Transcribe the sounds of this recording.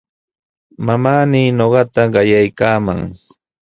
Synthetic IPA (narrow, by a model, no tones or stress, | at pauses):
mamaːniːnoɢɑt̪aɢɑjajkaːma̰ŋ